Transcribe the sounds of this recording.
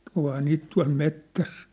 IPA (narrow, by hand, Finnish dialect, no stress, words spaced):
ohɑː niːt tuɑ̝l metːæs